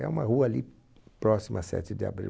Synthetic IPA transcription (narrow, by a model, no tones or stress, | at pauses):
ɛ̰ũmɐɦuɐːli | pɾɔsimɐasɛ̰t͡ʃɪd̪ɪa̰bɾḭ